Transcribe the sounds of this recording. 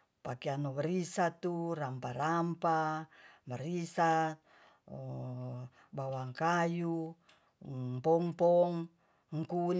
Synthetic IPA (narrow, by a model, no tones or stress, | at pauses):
pakianoβəɾisat̪urampaɾampamaɾisat̪̚ | bawaŋkaju | pɔŋpɔŋ | ŋkun